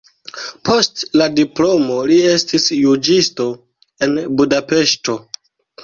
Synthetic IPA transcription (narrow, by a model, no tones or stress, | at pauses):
pʰo̞stladiplo̞mo̞lie̞stisjud͡ʒisto̞ | e̞nbudape̞ʃto̞